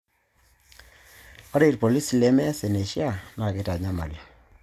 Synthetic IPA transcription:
ɔ˦ɾe˦˨ɾpo˨li˦si˨le˦mɛ˦se˨ne˨ʃi˦a˨na˨ke˦ta˨ɲa˦ma̰˨ljɔ˨

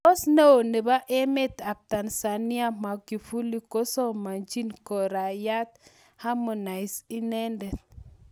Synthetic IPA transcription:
ɔ˦sne˦o˨ne˨ba˦ʔe˦me˦t̪a˨p̚ta˨nsa˨ni˦a˦ma˨ki˨fu˦li˦ko˦sɔ˦ma˨nd͡ʒi˦nkɔ˨ɾa˨ja˦t̪ | ha˦mɔ˨na˨jsi˦nɛ˦ndɛ˨t̪

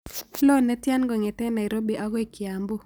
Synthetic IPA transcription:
flo˦nɛ˦tja˦nɡɔ˨ŋɛ˨tɛ˦na˨i˨ɾo˦bi˨ʔa˦ɡɔ˦i˨kja˨mbo˦

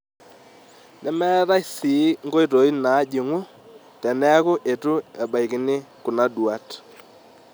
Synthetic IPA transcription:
nɛ˦mɛ˦ða˦i˦si˨˦ŋɡo˦i˦˨to˨˦i˦na˨˦d͡ʒi˨ŋu˦ | tɛ˨nɛ˦kʊ˦ʔe˨tu˦e˨ba˨i˨ki˨nɪ˦ku˨na˦ɗwa˨t

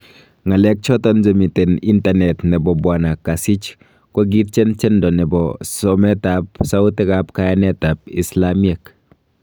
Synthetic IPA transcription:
ŋa˨lɛ˦k̚t͡ʃɔ˦tɔnd͡ʒo˨mi˨te˨ni˦ntanɛtnɛ˨bɔ˨bwa˨na˨ka˨si˦t͡ʃ | kɔ˦ɡi˦t̚t͡ʃɛ˦nt͡ʃɛ˦ndɔ˨nɛ˨bɔsɔmɛ˦tap̚sa˦ʊ˦tɛ˦kapka˦ja˦nɛ˦tap̚i˨slamie˨k

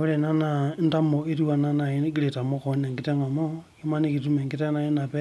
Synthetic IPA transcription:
o˦le˨na˦nanta˦mo˨e˦ɾi˦wa˨na˦na˨iɡi˦le˨ta˨mo˦kone˨ŋɡi˦te˦ŋa˨mo˦ki˦ma˦ne˦kitume˨ŋɡi˦te˦na˨i˦na˨pe

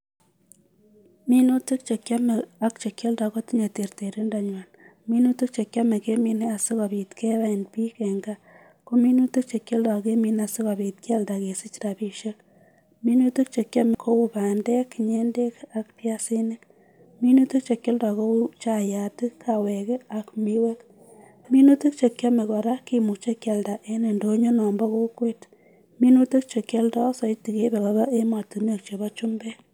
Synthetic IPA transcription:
mi˦no˦tu˦k̚t͡ʃe˨kja˦me˨a˦kt͡ʃe˨kʲje˦lda˨ko˦ti˦ɲe˨te˨rte˨ɾi˦nda˨ɲwa˨n | mi˦nu˦tu˦k̚t͡ʃe˨kja˦me˨ke˦mi˦ne˦a˨sɪ˦kɔ˨bi˨tke˦ba˦e˨npi˦ke˨ŋɡa˦ | ko˦mi˦nu˦tu˦k̚t͡ʃe˨kje˦lda˨ke˦mi˦na˨sɪ˦kɔ˨bi˨t̚kja˦lda˨ke˨sɪ˦t͡ʃɾa˨bi˨ʃe˦k̚ | mi˦nu˦tu˦k̚t͡ʃe˨kja˦me˨kʰo˦u˦ba˨nde˦kːɲe˦nde˦ka˨kpja˦si˦nɪ˦k | mi˦nu˦tu˦k̚t͡ʃe˨kje˦ldɔ˨ko˦u˦t͡ʃa˨ja˨tɪ˦kʰːawɛ˨ke˦a˨kmi˦we˦k | mi˦nu˦tu˦k̚t͡ʃe˨kja˦me˨kɔ˨ɾa˦kːi˨mu˨k̚t͡ʃe˦kja˨lda˨ʔe˦ne˨ndo˦ɲo˦nɔ˨mbɔ˦ko˦kwe˦t | mi˦nutu˦k̚t͡ʃe˨kje˦ldɔ˦sɔ˨i˦ti˨ke˦be˨kɔ˨bɔ˦ʔe˦mɔ˨tu˨n˦e˦˨k̚t͡ʃe˨bɔ˦t͡ʃu˦mbɛ˦

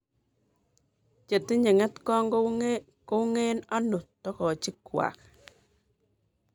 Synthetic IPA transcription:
t͡ʃe˨ti˦ɲe˨ŋɛ˦tkɔ˦ŋɡɔ˦ | ko˦ŋe˦nɔ˦nʊ˨tɔ˦kɔ˨t͡ʃɪ˦kwa̰˨k

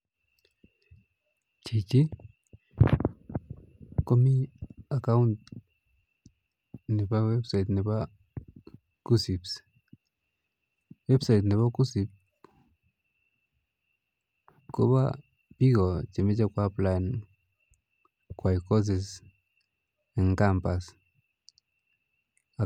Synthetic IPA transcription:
t͡ʃi˨t͡ʃi˦ | ko˦mi˦a˨ka˦wunt̪̚ | ni˨ba˦we˦bsajt̪ni˨ba | ku˦si˨ps | we˦bsajt̪ni˨βa˦ku˦si˨p̚ | ko˦βa̰ | pi˦ɡo˨t͡ʃe˨me˦t͡ʃa˦kwaplae˨n | kwajko˦s̬e˨s | e˨ŋkampas | a

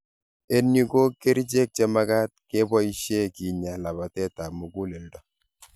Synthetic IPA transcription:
e˦ni˦ko˦ke˦ɾi˦t͡ʃe˦k̚t͡ʃe˦ma˦ka˦t̚ke˦bɔ˦i˦ʃje˦ki˨ɲa˨la˨ba˨tɛ˦ta˨mu˨ɡu˦le˨ldɔ˨

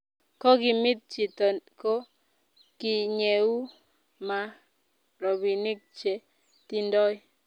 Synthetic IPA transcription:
kɔ˦ɡɪ˦mɪ˦t̪̚t͡ʃi˨t̪ɔ˨ko˦ | kɪ˨ɲe˨u˦ | ma˨ | ɾɔ˨bi˨nɪ˦k̚t͡ʃe˨ | t̪i˦ndɔ˦j

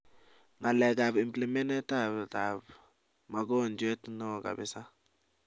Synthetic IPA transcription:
na˨lɛ˨ɡa˨bi˨mpli˨me˦nɛ˦ta˦bta˨b | ma˨ɡɔ˦nd͡ʒe˦tnɔ˦˨ɡa̰˨bɪ˦sa˦

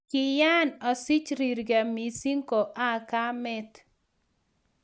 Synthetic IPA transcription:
kɪ˨ja˦nɔ˨sɪ˦t͡ʃɾi˨ɾɡa˨mi˨si˦ŋko˨ʔa˦ka˦mɛ˦t̪

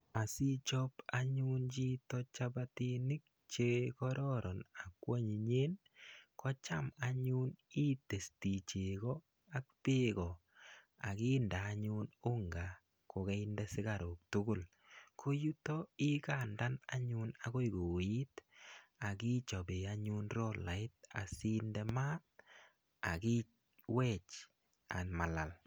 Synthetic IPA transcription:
a˨si˦t͡ʃɔ˦pa˦ɲu˦nt͡ʃi˦tɔt͡ʃa˦bati˦nɪ˦k̚ | t͡ʃe˦kɔ˦ɾɔɾɔ˨na˨kwa˦ɲi˨ɲeː˦n | kʰɔ˦t͡ʃa˦ma˨ɲu˦ni˦te˨sti˨t͡ʃe˨kɔ˦ | a˦k̚pe˦kɔ˨ | a˨ki˦ndaː˨˦ɲu˦no˦ŋɡa˨ | ko˨kɛ˦ɪndɛ˦sɪ˦ɡaɾo˨k̚tʊ˦ɡʊ˦˨l | kʰo˦ju˦tɔ˦ɪ˦ka˨nda˦na̰˦ɲu˦nako˦jɡo˨wi˦ta˨ki˦t͡ʃɔ˨be˨aɲu˦nɾɔ˦la˨ɪ˦t̚a̰˨si˦ndɛ˦ma˦t̚ | a̰˨ki˦ | wɛ˦t͡ʃ | a̰˨nma˨la˨l

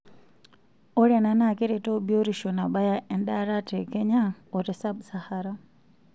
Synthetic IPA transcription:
o˦ɾe˨na˦na˦˨ke˦ɾe˨to˦bi˦o˦ɾi˨ʃo˨na˨ba˦ja˨ʔɛ˨nda˦ɾa˦te˨ke˦ɲa˦o˨te˨sa˦bsa˦ha˦ɾa˦

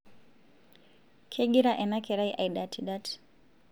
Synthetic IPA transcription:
kʰɛ˦ɡi˦ɾa˦ʔɛ˨na˦kɛ˨ɾa˦iʔa˨iɗa˨tʰi˨ɗa˦tʰi̥

